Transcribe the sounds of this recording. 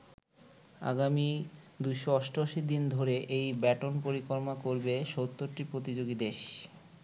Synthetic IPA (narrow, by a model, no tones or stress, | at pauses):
a̰ɡami | d̪ujʃoɔʃʈoʃid̪ind̪ʱoɾeʔejbɛʈonpoɾikoɾmakoɾbeʃot̪ːoɾʈipɾot̪id͡ʑoɡid̪eʃ